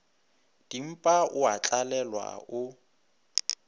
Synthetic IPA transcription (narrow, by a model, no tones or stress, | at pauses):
d̥im̩pʼaʔʊat͡ɬʼalɛlwa̰ʊ